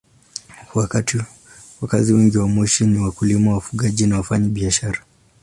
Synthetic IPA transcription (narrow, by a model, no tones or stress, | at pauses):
wakati | wakaziwɛŋɡiwamɔʃiniwakulimawafuɠaʄinawafaɲaɓiaʃaɾa